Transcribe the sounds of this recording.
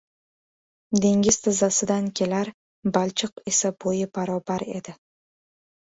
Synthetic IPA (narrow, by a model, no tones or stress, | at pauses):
d̪e̞ŋɡʲɪz̥t̪ʰazasɪd̪ankʲʰe̞laɾ | balt͡ʃʰɪqe̞sabojɪbaɾɒbaɾe̞̰d̪ɪ